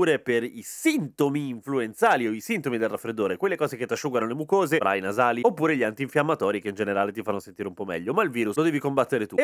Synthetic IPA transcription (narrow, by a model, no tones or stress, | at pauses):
uːɾeperisint̪omiːɱfluent̪saːlioisint̪omid̪elrafːɾed̪ːoːɾekwelːekɔːzeket̪ːaʃːuɡanolemukoːzefɾʔa̰jnazaːliopːuːɾeʎiant̪iːɱfjamːat̪ɔːɾikeind͡ʒeneɾaːlet̪ifanːosent̪iːɾeumpɔmːɛ̰ʎːomailviːɾuslod̪ɛːvikombat̪ːeɾet̪u